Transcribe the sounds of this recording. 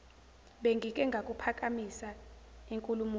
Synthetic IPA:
ɓeŋɡʱik̬ʼɛŋɡʱakʼupʰak̬ʼamisaiŋkʼulumu

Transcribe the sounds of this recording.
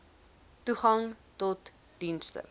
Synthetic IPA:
tuχɐŋtɔt | d̥instə̰

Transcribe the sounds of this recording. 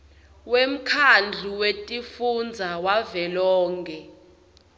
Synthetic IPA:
wem̩kʰand͡ɮʱuwetʼifund͡zʱawavɛlɔːŋɡɛ

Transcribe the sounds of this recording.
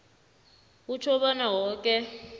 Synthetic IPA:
ut͡ʃʰɔɓanawɔːkʼɛ

